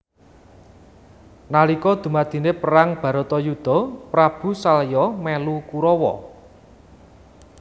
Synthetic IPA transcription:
nalikɔd̪̥ṳmad̪̥i̤nepəɾaŋb̥ä̤ɾot̪ɔjud̪̥ɔ̤pɾab̥ṳsaljɔmɛlukuɾɔwɔ̰

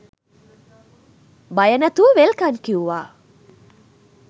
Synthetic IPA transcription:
bajənæt̪uʋelkankiuʋaː

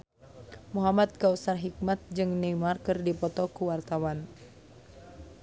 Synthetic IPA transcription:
muɦamad̪̚kausarɦik̚mat̪̚d͡ʒɨŋnɛmarkɨrdipɔt̪ɔkuwart̪awan

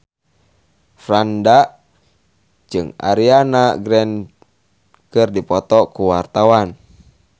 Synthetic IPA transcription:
fɾanda | d͡ʒɨŋa̰ɾianaɡɾɛn | kɨrdipɔt̪ɔkuwart̪awan

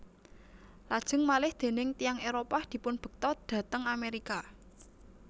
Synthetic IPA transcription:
lad̥ʒ̥ə̤ŋmalɪhd̪̥e̤nɪŋt̪ijaŋeɾopahd̪̥i̤pʊnb̥ə̤k̚t̪ɔd̪̥ä̤t̪əŋameɾika

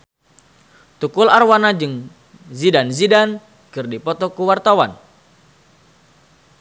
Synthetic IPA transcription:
t̪ukʊlarwanad͡ʒɨŋ | zidanzidan | kɨrdipɔt̪ɔkuwart̪awan

